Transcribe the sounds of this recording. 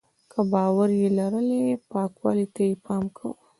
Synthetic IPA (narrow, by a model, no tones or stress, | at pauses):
kʰəbɑwaɾjelaɾəlepɑkwɑ̰lit̪ajepɑmkʰa̰w